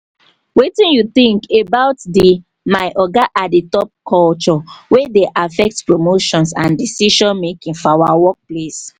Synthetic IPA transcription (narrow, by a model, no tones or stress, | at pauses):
wetĩnjuθĩŋkebaʊtdi | maɪʔɔɡaʔaditɔp̚kʰɔlt͡ʃɔwedeʔafɛk̚tpɹomoʃɔ̃nsãndisiʃɔ̃nmekĩŋfɔawawɔk̚ples